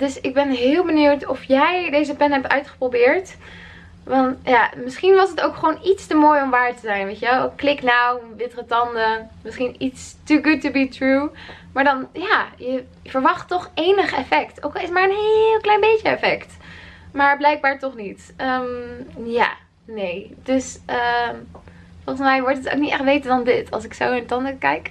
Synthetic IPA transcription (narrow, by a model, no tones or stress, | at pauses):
d̥ɵsɪɡ̚bɛnɦɪːlˠbəniwtɔfjɛjdejzəpɛnɦɛp̚tœ̰ɥtχə̥probɪːɹt | ʋɑntjaːmɪsχinʋɑsətowkχəʋoːnitstəmoːjɔmʋaːɹtəzɛjnʋejtəʋɛlˠklɪknawʋɪtrətɑndəmɪsχinitstəɡut̚tːubitɹu | maːɹdɑnjaːjə | v̥əɹʋɑχtːɔχejnəχɛfɛkto̰wkˠɪsmaːɹənɦelˠklɛjnbejəɛfɛktmaːɹblɛjk̚baːɹtɔχnit | əmja̰ː | nejd̥øsə | fɔlˠχənsmɛjʋɔɹtəto̰ʊk̚nitɛχtʋejtədɑndɪtɑ̰lˠs̬ɪksownaːtɑndəkɛjk